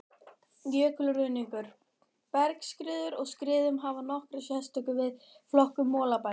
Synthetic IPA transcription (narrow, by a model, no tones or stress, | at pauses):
jœːklrʏniŋkʏɾ̥ | pɛɾkskɾɪːðʏɾɔɣskɾɪːðʏmɦavanɔhkɾasjɛst̪œkʏvɪð | flɔhkʏmːɔːlapa